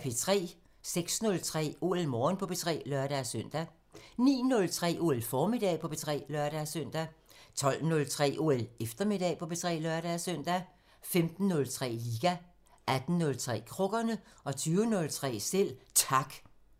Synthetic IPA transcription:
pʰe̝t͡sʰʁɛ̰ː | seɡ̥snɔ̽lt͡sʰʁɛ̰ːo̝̰ːelmɒːnpʰɒ̽b̥e̝t͡sʰʁɛ̰ːlœɐɾ̥æsœn̰d̥æ | nḭːnɔ̽lt͡sʰʁɛ̰ːʔo̝̰ːelfɒːmid̥ɛ̰pʰɒ̽b̥e̝t͡sʰʁɛ̰ːlœɐɾ̥æsøn̰d̥æt͡sʰɒ̽l̰nɔ̽lt͡sʰʁɛ̰ːʔo̝ːelefd̥ɐme̝d̥ɛ̰pʰɒ̽b̥e̝t͡sʰʁɛ̰ːlɶɐɾ̥æsøn̰d̥æ | femd̥n̩ːɔ̽lt͡sʰʁɛ̰ːliːɡ̥æ | ʔæd̥n̩ːɔ̽lt͡sʰʁɛ̰ːkʰʁɔ̽ɡ̥ɐnəʔɒ̽t͡sʰyːʊənɔ̽lt͡sʰʁɛ̰ːsel̰t͡sʰɑ̈ɡ̥

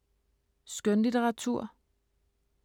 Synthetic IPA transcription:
sɡ̥ønlit͡seʁɑ̈t͡sʰuɐ̰

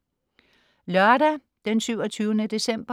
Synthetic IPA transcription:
lœɐɾæ | d̥ensyʊɒt͡sʰyːʊnəd̥e̝sem̰b̥ɐ

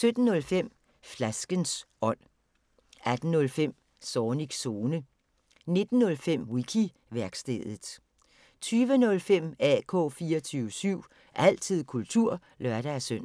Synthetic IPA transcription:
sød̥n̩ːɔ̽lfem̰ | flæsɡ̥ənsɒ̽n̰ | æd̥n̩ːɔ̽lfem̰ | sɒːniɡ̥so̝ːnə | ne̝d̥n̩ːɔ̽lfem̰wikʰi | ʋæɐɡ̥sd̥ḛð̩ˠ | t͡sʰyːʋənɔ̽lfem̰ɛ̰kʰɔ̰ːfiːɒt͡sʰyːʊəsyʊ̰ | ʔæl̰t͡sʰið̰ˠkʰult͡sʰuɐ̰ | lɶɐɾ̥ææsøn̰

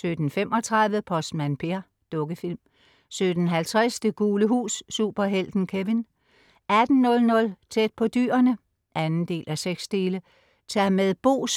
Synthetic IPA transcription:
sød̥n̩fem̰ʔɒ̽t͡sʰʁaðˠʋð̩əpʰɒ̽smænpʰe̝ɐ | d̥ɔ̽ɡ̥əfilm | sød̥n̩ɦælt͡sʰʁasd̥əɡ̥uːləɦṵːsːṵb̥ɐɦel̰d̥n̩kʰeʋin | ʔæd̥n̩ːɔ̽lnɔ̽lt͡sʰed̥̚pʰɒ̽d̥y̰ːɐnə | ʔænn̩d̥e̝̰ːlʔæseɡ̥sd̥e̝ːlə | t͡sʰæɐmeðˠb̥o̝̰ːs

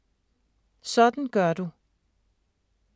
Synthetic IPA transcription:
sɒ̽d̥n̩ɡ̥ɶɐd̥u

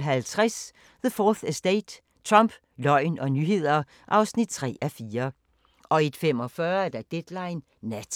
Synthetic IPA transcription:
ɦælt͡sʰʁɛs | ðəfɒːθsd̥eːd̥ | t͡sʰʁɒmb̥ | lɒ̽ɪ̰nɒ̽nyɦe̝ð̞̰ˠɐ | ʔɑ̈ʊsnid̥̚t͡sʰʁɛ̰ːæfiːɐ | ʔɒ̽id̥fem̰ɒ̽fɶːɐæd̥æd̥ed̥lɑ̈ɪnː | æ

